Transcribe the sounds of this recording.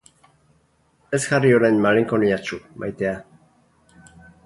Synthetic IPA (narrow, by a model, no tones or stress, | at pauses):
esxarioɾajnmaliŋkoniat͡ʃumʔa̰jt̪ea